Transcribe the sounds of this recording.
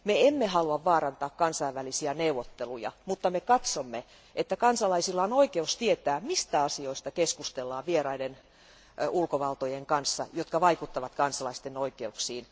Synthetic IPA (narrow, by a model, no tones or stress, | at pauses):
meemːehɑluɑʋʋɑːrɑnt̪ɑːkkɑnsɑiʋʋælisiæneuʋot̪ːelujɑ̰mut̪ːɑmekɑt̪somːe | et̪ːækɑnsɑlɑisilːɑonoikeust̪iet̪æːmist̪æɑsioist̪ɑkeskust̪elːɑːʋʋierɑiden | ulkoʋɑlt̪ojeŋkɑnsːɑ̰jot̪kɑʋɑikut̪ːɑʋɑt̪kɑnsɑlɑist̪enoikeuksiːn